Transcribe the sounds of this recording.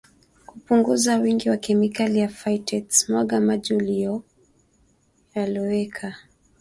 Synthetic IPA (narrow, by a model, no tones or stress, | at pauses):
kupuŋɡuzawiŋɡiwakɛmikalijafaitʰɛtsmwaɠamaʄiulijɔ | jaliwɛkʰa